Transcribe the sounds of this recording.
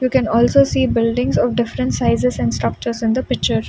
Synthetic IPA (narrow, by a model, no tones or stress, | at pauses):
juːkɛ̃nɔːlsoːsiːbɪlɖɪ̃ŋzɔːʋɖɪfɾə̃ɳʈsaɪzɪzɛ̃ɳɖsʈɾɐk̚t͡ʃəɾzɪ̃nd̪əpɪk̚t͡ʃəɾ